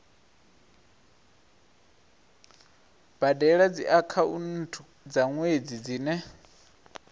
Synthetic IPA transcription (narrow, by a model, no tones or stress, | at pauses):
b̥adɛɺad͡ziʔakʰaun̩tʰu | d͡zaŋwed͡zid͡ziːnɛ